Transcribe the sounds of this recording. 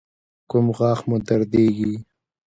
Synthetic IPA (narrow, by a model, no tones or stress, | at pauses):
kʊmɣɑːxmud̪aɾd̪eːɡi